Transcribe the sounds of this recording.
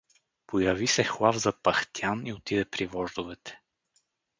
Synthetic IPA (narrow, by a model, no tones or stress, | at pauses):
pojɐvisɛxlˠavzɐpɐxt̪janiot̪id̪ɛpɾivɔʒd̪ʊvɛt̪ɛ̥